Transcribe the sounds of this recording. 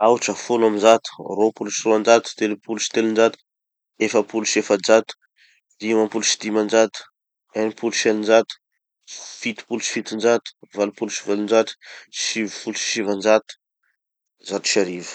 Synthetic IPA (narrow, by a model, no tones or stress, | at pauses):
awuʈ͡ʂəfulaminzat̪u̥ropuluʃiroand͡ʒat̪u̥t̪elipuluʃi̥t̪elind͡ʒat̪u̥ | efəpuluʃefad͡ʒat̪u̥ | d̪̥imapuluʃi̥d̪imand͡ʒat̪u̥ | enipuluʃelind͡ʒat̪u̥ | fit̪i̥puluʃi̥fit̪ind͡ʒat̪u̥valupuluʃivalund͡ʒat̪u̥ʃivfului̥ʃivand͡ʒat̪u̥ | zat̪u̥ʃaɾivə̥